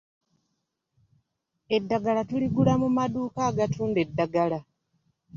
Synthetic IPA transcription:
e̞dːaɡalatuliɡulamumaduːkaːɡatuːnde̞dːaɡala

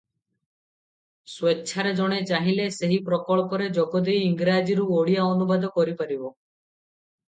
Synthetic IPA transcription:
swetːʃʰaɾed͡ʒɔɽ̃et͡ʃaɦileseɦipɾɔkɔɭɔkɔɾed͡ʒɔkɔd̪ejiŋɡɾad͡ʒiɾuoɽijaɔnubad̪ɔkɔɾipaɾibɔ

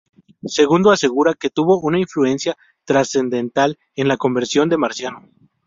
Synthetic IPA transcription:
se̞ɣund̪o̞ase̞ɣ̞uɾake̞t̪uβo̞ʔunaiɱflue̞nsja | t̪ɾase̞nd̪e̞nt̪al | e̞nlako̞mbe̞ɾsjo̞nd̪e̞maɾsjano

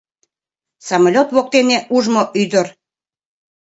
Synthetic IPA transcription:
sɑmɑlʲot̪βok̚t̪eneʔuʒmoʔyd̪əɾ

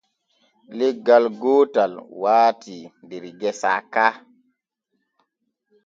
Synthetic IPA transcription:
lɛɡːalɡoːtalwaːtindiɾɡɛsa̰ːkaː

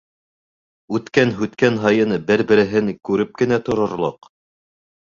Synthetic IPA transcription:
ʉt̪kænɦʉt̪kænɦɑjɤnbɘɾbɘ̆ɾɘ̆ɦɘŋkʉɾɘp̚kɘ̆næt̪ŏɾŏɾlˠoq

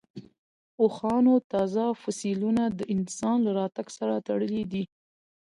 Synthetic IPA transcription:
oxɑnot̪ɑzafʊsilunad̪əʔɪnsɑnlaɾɑt̪aɡsaɾat̪aɽəlid̪i

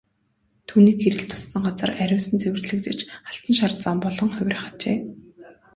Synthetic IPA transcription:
t̪ʰuːniːkxeɾɘ̆ɬt̪ʰʊ̥sːə̆ŋɢat͡sə̆ræɾʲʊːsə̆nt͡sewɘ̆rɮɘ̆kt͡sĕt͡ɕaɬt̪ə̆nʃ̬art͡sɔːmpɔɮɞ̆ŋχʊwʲrʲχat͡ɕḛː

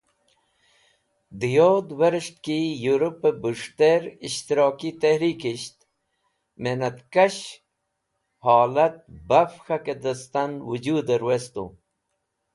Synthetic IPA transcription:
d̪ijod̪weɾʂt̪kijuɾupːebuʂt̪eɾiɕt̪iɾoːkit̪ehɾiːkiɕt̪ | menɐt̪kɐɕ | hɑːlɐt̪̚bafxɐked̪əst̪ɐnwud͡ʑuːd̪əɾwest̪ṵ

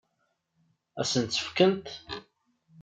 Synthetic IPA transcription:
æ̰sənt̪sə̥fkənt̪

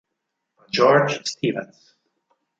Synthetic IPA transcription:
ad͡ʒɔɹd͡ʒst̪ʰiːvə̰̃ns

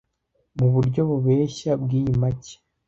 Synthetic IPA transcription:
muβuɾɟo̞βuβe̞ːʃabɡiːjimace̥

